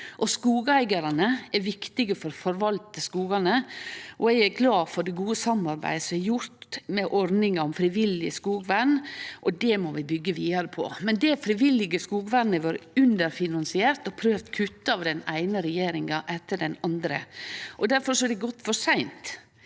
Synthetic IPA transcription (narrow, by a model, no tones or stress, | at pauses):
ʔɔskuːɡæɪɡɑɾɑnəɛɾʋɪkt̪ɪɡəfɔɾfɔɾʋɑlt̪əskuːɡɑnəʔɔɛɡæɾɡlɑːfɔɖɛɡuːəsɑmːɑɾbæ̰ɪsɔɛjʊɾt̪mɛʔɔɾnɪŋɑɔmfɾɪʋɪlɪəskuːɡʋænːʔɔd̪ɛmɔʋɪbʏɡːəʋiːɑɾəpʰɔ̰mɛnd̪ɛfɾɪʋɪlːɪɡəskuːɡʋænːəʋøːɾʉnd̪əɾfɪnɑnsɪeːɾt̪ɔpʰɾøːʋt̪kʰʉt̪ːəɑːʋd̪ɛnæɪnəɾɛjeːɾɪŋɑʔɛt̪ːəɖɛnɑnd̪ɾə̰ʔɔd̪æɾfɔɾʂɔɛd̪ɛɡɔt̪ːfɔʂæɪnt̪